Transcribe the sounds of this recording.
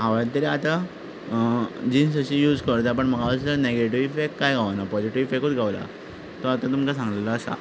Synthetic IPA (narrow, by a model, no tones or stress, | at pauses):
ɦaʋəat̪əɾiat̪a | d͡ʑiːnsəɕiːjuːd͡zkəɾt̪̬ap̬əɳm̤əɡʱaəsəneɡeʈiʋifekʈkajɡʱaʋanapɔd͡ʑiʈiʋifekut͡sɡʱaʋla̰ | t̪ɔat̪at̪umkasãŋɡleləːsa̰